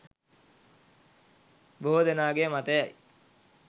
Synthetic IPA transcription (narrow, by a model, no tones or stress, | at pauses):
boːd̪ənaːɡemat̪əjaj